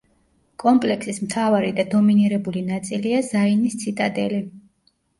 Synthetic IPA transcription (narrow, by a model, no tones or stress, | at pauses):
kʼɔmpʼlɛksismt̪ʰavaɾid̪ad̪ɔminiɾɛbulinat̪sʼiliazainist̪sʰit̪ʼad̪ɛli